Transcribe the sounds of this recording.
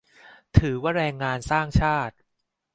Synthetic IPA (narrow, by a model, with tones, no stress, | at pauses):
t̪ʰɯː˩˦waː˥˩ɾɛː˧ŋːaː˧nsaː˥˩ŋt͡ɕʰaː˥˩t̪̚